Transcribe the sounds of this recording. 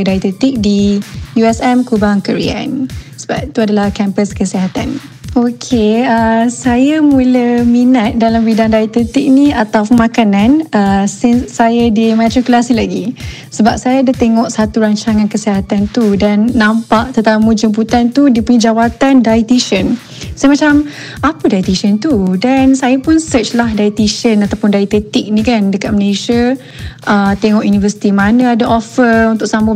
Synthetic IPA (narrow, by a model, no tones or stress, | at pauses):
dajt̪ət̪ik̚dijuɛsɛmkubaŋkəɾḭa̰nsə̥ba̰pt̪uadalahkɛmpəskəsiɦat̪a̰n | okʰeəsajamuləminat̪̚dalambidaŋdait̪ət̪ik̚niat̪awmãkanãnəsinsːajadimãt̪ɾikulasilaɡi | səbap̚sajaːdat̪eŋɔʔsat̪uɾaɲt͡ʃaŋãnkəsiɦat̪ant̪udanːãmpaʔt̪ərt̪amũd͡ʒəmp̬ut̪ant̪udiəpuɲid͡ʒawat̪andajit̪iʃən | samat͡ʃam | apədajit̪iʃənt̪udansajapʊnsət͡ʃlahdait̪iʃənat̪awpʊndait̪et̪ik̚nĩkandəkat̪̚məleʃa | ʔət̪eŋɔʔjunivəsi̥t̪imanə̃adaʔofəunt̪ʊʔsamə